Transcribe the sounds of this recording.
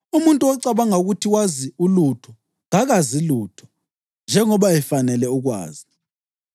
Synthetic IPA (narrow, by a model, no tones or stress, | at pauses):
umuntʼuɔǀaβaŋauɣutʰiwaziulutʰɔ | ŋaɣaziluːtʰɔ̥ | nd͡ʒʱɛŋɔβajɛfanɛlɛuɣwa̰ːzi